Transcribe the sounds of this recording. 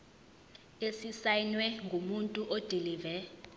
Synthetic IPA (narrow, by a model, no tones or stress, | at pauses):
esisajnwɛŋɡʱumuntʼuʔod̥ʱiliːvɛ